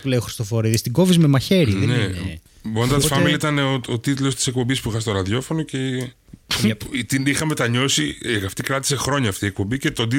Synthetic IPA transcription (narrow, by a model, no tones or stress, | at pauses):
ulejoxɾist̪ofo̞ɾiðist̪iɡo̞vizmemɐçe̞ɾiðne | bond̪ɐfɐmilɐit̪ɐneoot̪it̪lo̞st̪i̥sek̚po̞mbispuixɐst̪o̞ɾɐðʝo̞fo̞no̞ce | t̪inixɐme̞t̪ɐɲo̞siɐft̪ikɾɐt̪i̥se̞xɾo̞ɲɐːft̪iek̚po̞mbice̞t̪o̞nd̪i